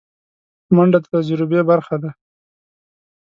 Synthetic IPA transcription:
maɳɖat̪ad͡ʒɾɪbebaɾxad̪a

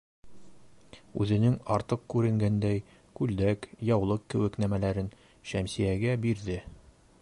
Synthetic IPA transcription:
ʉ̰zɘ̆nɘŋɒɾt̪ɤq̚kʉɾɘ̆ŋɡænd̪æj | kʉld̪ækjɒwlˠɤqkɘ̆wɘknæmælæɾɘn | ʃæmsijæɡæbiɾðɘ

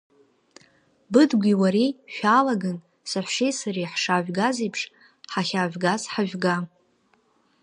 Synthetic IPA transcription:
bɨdɡʷʲiwaɾiʃᶣalaɡan | saħʷʂejsariħʂaʒᶣɡazijpʰʂ | ħaχʲaʒʷᶣɡazħaʒᶣʷɡa

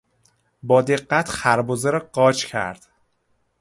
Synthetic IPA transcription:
bɒːd̪e̞ɢːæt̪ʰxæɾbozeɾɒɢɒːt͡ʃcʰæ̰ɾd̪̥

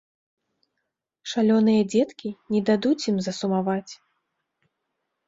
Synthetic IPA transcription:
ʂalʲɔn̪ɨjɐd͡zʲɛt̪kʲinʲɛd̪ad̪ut͡sʲjimzɐsumavat͡sʲ

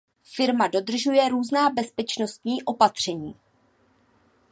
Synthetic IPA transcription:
fɪɾmado̞dr̩ʒujɛɾuːznaːbɛspɛt͡ʃno̞st̪ɲiːʔo̞pat̪r̝̥ɛɲiː

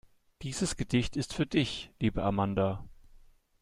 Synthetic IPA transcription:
d̥iːzəsɡ̥ədɪçtɪstfyːɐdɪçliːbəʔamanda

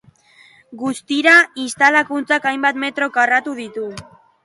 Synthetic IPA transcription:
ɡust̪iɾaist̪alakunt͡sakajmbat̪me̞t̪ɾo̞karat̪uðit̪u

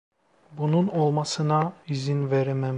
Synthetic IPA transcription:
bununolˠmasɯnaizinveɾemem

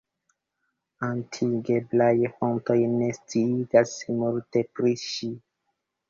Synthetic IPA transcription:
antʰiɡeblajfonto̞jne̞stiiɡasmulte̞pɾiʃi

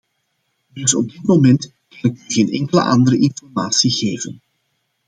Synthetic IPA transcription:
dɵsɔ̰b̚dɪtmomɛnt | kɑnɪkyɣeːnɛ̰ŋkələ̰ʔɑnd̪əɾəʔɪnfɔrmaːtsiɣeːvən

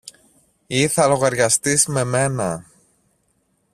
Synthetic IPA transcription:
iθɐlo̞ɣɐɾʝɐst̪izme̞me̞nɐ

